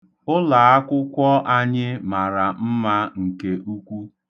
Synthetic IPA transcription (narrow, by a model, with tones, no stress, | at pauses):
ʊ˦la˨a˦kʷʊ˦kʷɔ˦ʔa˦ɲɪ˦ma˨ɾa˨m̩˦ma˦ŋ̩˨ke˦ʔu˦kʷu˦